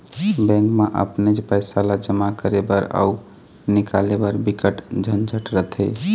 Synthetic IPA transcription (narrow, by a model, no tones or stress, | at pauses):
bɛ̃ŋkmeʔə̰pned͡ʒpəjsalad͡ʒəmakəɾebəɾa̰u | nikalebəɾbikəʈd͡ʒʱənd͡ʒʱəʈɾət̪ʰe